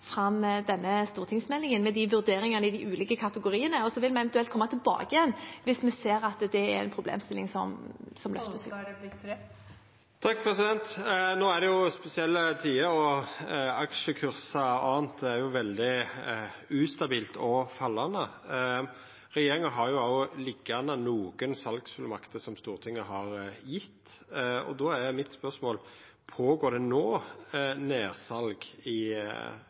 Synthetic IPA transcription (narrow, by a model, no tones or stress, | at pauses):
fɾɑmd̪ɛnːəst̪uːʁt̪ʰɪŋsmɛlːɪŋənmɛd̪ɪʋʉʁd̪eːɾɪŋɑnəɪd̪ɪʔʉːliːkəkʰɑt̪əɡʊɾiːənəɔsɔʋɪlmɛɛʋɛnt̪ʉɛlt̪kʰɔmːɑt̪ʰɪlbɑ̰ːɡɪjɛnːʋɪsmɛseːɾɑt̪d̪ɛæɾɛ̰npʰɾʊblḛːmst̪ɪlːɪ̰ŋsɔ̰msɔmlœ̰ft̪əs | t̪ʰɑk̚ːpʰɾɛsɪd̪ɛnt̪noːæd̪ɛjʊspɛsɪɛlːət̪ʰiːəɾɔ | ɑkʃəkʰʉɾsɑɑːnt̪̚d̪ɛæɾjʊʋɛld̪ɪ | ʉːst̪ɑbiːlt̪ʰɔfɑlːɑnə | ɾɛjeːɾɪŋəɦɑɾjʊɑɔlɪɡːɑnənuːɡənsɑlɡsfʉlmɑkt̪əsɔmst̪uːʁt̪ʰɪŋːəɦɑɾjɪt̪ːɔ̰d̪ɔːæmɪt̪spœʁsmoːl | pʰoːɡoːɾd̪ɛnoː | neːʁsɑlɡɪ